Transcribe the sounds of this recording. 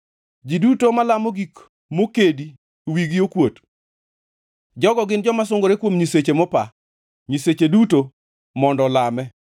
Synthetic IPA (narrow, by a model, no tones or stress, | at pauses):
d͡ʒidutomalamoɡik | mokedi | wiɡiokwot | d͡ʒɔɡɔɡɪnd͡ʒɔmas̬ʊŋɡoɾekwomɲiset͡ʃemɔpa | ɲiset͡ʃeduto | mɔndɔlamɛ